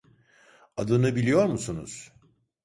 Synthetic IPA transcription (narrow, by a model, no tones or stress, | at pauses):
ad̪ɯnɯbilʲijo̞ɾmusunṵz̥